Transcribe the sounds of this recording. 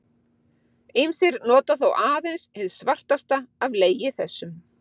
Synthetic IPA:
ejmsɪɾnɔːt̪aθowʔaːðejnsɪðsvar̥t̪ast̪aavleːjɪθɛ̰sːʏm

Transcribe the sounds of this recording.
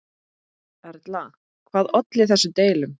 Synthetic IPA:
ɛɾt̪la | kʰvaːðɔt̪lɪθɛsːʏt̪eːjlʏm

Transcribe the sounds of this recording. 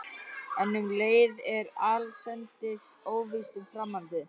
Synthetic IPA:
ɛnːʏmleːjðɛɾaːlsɛnt̪ɪsoːwvist̪umfɾamːant̪ɪ

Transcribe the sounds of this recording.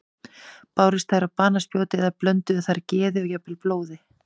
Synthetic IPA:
paːwɾist̪ajɾapaːnaspjoːwt̪ɪɛðaplœnt̪ʏʏθaɾcɛːðɪɔɣjapːɪlploːwðɪ

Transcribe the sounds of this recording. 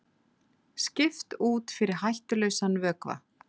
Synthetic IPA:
scɪft̪uːt̪fɪɾɪɾ̥ɦajht̪ʏlœɥsanvœːkva̰

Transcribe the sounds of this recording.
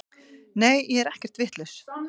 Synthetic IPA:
neːjjɛɛɾɛhcɛr̥t̪vɪht̪lʏs

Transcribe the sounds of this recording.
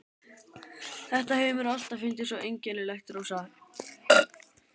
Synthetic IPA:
θɛht̪ahejmʏɾal̥t̪afʏnt̪ɪ̥sɔʔejɲcɛnɪlɛxt̪ɾoːwsa

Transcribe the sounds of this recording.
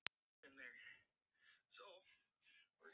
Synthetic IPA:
ɨ̃nðə˞ | soʊ | wɪ˞

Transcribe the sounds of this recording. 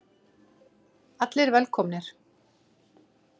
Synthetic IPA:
at̪lɪɾvɛlkʰɔmnɪɾ̥

